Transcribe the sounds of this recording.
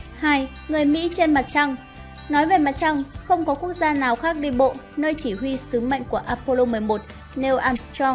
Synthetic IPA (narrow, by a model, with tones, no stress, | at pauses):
haː˧j | ŋɨ˨˩əjmḭ˧˥t͡ɕe˧nma˨˩t̚t͡ɕa˧ŋ | nɔ˨˦jve˨˩ma˨˩t̚t͡ɕa˧ŋxə˧wŋ͡mkɔ˨˦ku˦˥ək̚zaː˧naː˨˩wxaː˦˥k̚ɗi˧ɓo̰˧˨nəː˧jt͡ɕi˧˩ɦwi˧sɨ˨˦mə̰˧˨jŋ̟ku˧˩əʔaː˧po˧lo˧mɨ˨˩əjmo˨˩t̚ | nɛ˧wʔaː˧mst̪ɔ˧ŋ